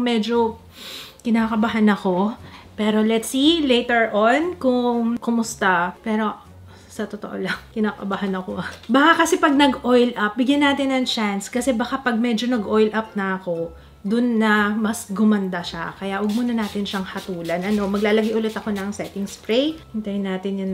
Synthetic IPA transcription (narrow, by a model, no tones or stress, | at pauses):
ŋmɛd͡ʒo̞ | kɪnaːkɐbɐɦanɐko̞pɛːɾo̞lɛt̪silejt̪ɛɹʔonkʊŋŋkʊmʊst̪apɛːɾo̞ | sɐt̪ot̪o̰ʔo̰lɐŋkɪnaːkɐ̰bɐɦanɐkoɐbɐkakɐsɛpɐɡ̚nɐɡʔojlʔɐp̚bɪɡjɐnːaːt̪ɪnːɐŋt͡ʃanskɐsɛbɐkapɐɡ̚mɛd͡ʒo̞nɐɡʔo̞jlʔɐp̚nɐɐko̞ | d̪ʊnːɐmɐsɡʊmɐnd̪aʃa̰kɐjaʔɐɡ̚monɐnaːt̪ɪnʃɐŋhɐt̪uːlɐnʔɐno̞mɐɡlaːlɐɡɪjʔʊlɛt̪ɐko̞nɐŋsɛt̪ɪŋspɹejhɪnt̪ɐjʊnːaːt̪ɪnjʊn